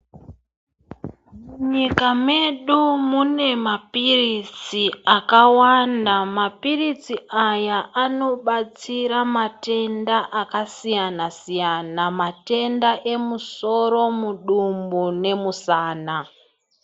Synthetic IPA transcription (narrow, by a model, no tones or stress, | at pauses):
muɲikame̞ɗumune̞mapirit͡siakawandamapirit͡siʔajaʔano̞ɓat͡siɾamate̞ndaʔakasijanasijanamate̞ndaʔe̞muso̞ɾo̞muɗumbune̞musaːna